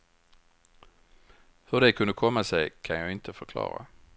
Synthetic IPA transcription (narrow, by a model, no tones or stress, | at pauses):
hɵɖɛkʰɵnd̪əkʰɔmːasɛjkʰanjɑːɪnt̪əfœɾkʰlɑ̰ːɾa̰